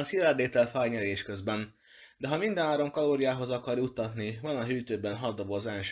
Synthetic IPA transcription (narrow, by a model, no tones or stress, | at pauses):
ɒsilɛrd̪eːt̪ɛlfaːɲɛɾeːʃkø̞zbɛn | d̪ɛɦɒmind̪ɛnaːɾo̞mkɒloːɾijaːɦo̞zɒkɒrjut̪ːɒt̪nivɒnɒɦyːt̪øːbɛnɦɒd̪ːobozɛlʃ